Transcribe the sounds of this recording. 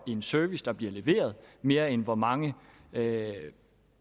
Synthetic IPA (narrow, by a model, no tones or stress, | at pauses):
iensœɐʋisd̥ɑ̈b̥liɐle̝ʋe̝̰ːɐð̞ˠme̝ːɐenʋɒmɑ̈ŋə